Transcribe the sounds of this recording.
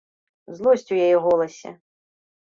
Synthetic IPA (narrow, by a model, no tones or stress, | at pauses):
zlˠɔsʲt͡sʲujajɛɣɔlˠɐsʲɛ̰